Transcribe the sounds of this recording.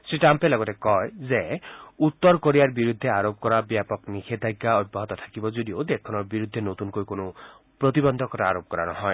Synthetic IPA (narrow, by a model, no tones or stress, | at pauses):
seʈampelɔɡɔt̪ekɔezeut̪ːɔɾkoɾijaɾbiɾud̪ʱːeaɾopɔkɔɾabjapɔknikʰed̪ʱajɡaɔd̚baɦɔt̪ɔt̪ʰḁkibɔd͡ʒoɾiod̪ekʰɔnɔɾbiɾud̪ʱːenot̪unkojkono | pɾɔt̪ibɔnd̪ʱɔkɔɾaaɾop̚kɔɾanɔɦɔj